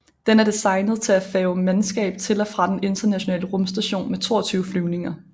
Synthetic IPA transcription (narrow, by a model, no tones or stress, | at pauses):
d̥enæɐd̥esɑ̈ɪnəð̩ˠt͡sʰe̝æfɛːʊmænsɡ̥ɛ̰ːb̥̚t͡sʰe̝lɒfʁɑ̈d̥ene̝nd̥ɐnæɕo̝nɛ̰ːləʁɔ̽msd̥æɕo̝̰ːnmet͡sʰo̝̰ːɐt͡sʰyːʊəflyʊne̝ŋɐ